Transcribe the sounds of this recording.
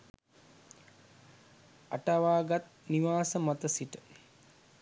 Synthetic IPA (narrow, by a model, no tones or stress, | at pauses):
a̰ʈaʋaːɡat̪̚niʋaːsəmat̪əsiʈə